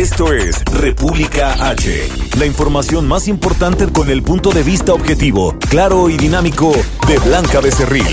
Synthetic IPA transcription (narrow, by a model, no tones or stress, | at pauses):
est̪o̞esrepuβlikaat͡ʃḛlaiɱfo̞ɾmasjo̞nmasimpo̞ɾt̪ant̪e̞ko̞ne̞lpunt̪o̞ðe̞βist̪aobxe̞t̪iβo̞klaɾo̞iðinamiko̞ðe̞βlaŋkaðe̞se̞rḭl